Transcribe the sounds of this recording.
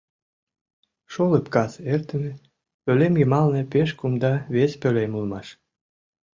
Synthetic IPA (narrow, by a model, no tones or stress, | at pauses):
ʃoləpkɑsert̪ə̆mĕ | pølemjəmɑlnɤ̆peʃkumd̪ɑβespølemulmɑʃ